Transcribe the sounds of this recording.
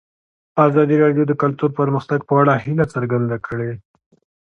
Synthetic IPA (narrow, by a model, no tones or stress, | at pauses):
ɑzɑd̪iɾɑɖjod̪əkalt̪uɾpəɾməxt̪aɡ̚pəaɽahɪlat͡səɾɡand̪akʰəɽe